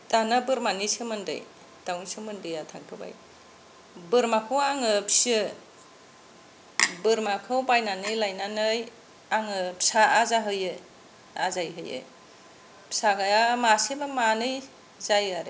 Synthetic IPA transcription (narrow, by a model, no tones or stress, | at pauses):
d̥anabɯɾmanisɯmɯndɯ̰j | d̥awnisɯmɯndɯjatʰaŋtʰɯba̰j | bɯɾmakʰɯwaŋɯpsɯ | bɯɾmakʰɯwbajnanɯjlajnanɯj | aŋɯpʰsaːzaɦɯjɯ | a̰zajɦɯjɯ̰ | pʰsaɡajamasibamanɯj | zajaɾḛ